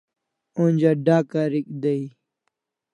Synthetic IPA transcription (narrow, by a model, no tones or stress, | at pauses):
unʲd͡ʑaɖaːkaɾikd̪ɐi